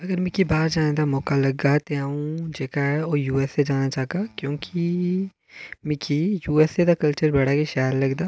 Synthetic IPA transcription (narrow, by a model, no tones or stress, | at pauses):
ɐɡəɾmɪ̃kibaːɾd͡ʒaːnẽd̪amɔːkalɐɡɡat̪eaːũd͡ʒeːkaɦɛɔːɾjuːɛːsːed͡ʒaːnat͡ʃaːkakjõːkʰi | mɪkʰijuːɛːsːed̪akɐlt͡ʃəɾbɐɽ̤akeʃaːjəɾlɐɡd̪aː